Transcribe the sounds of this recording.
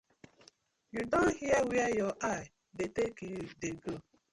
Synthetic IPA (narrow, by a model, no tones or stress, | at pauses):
judõnhiəwɛɛjɔʔaɪ | detekjudeɡo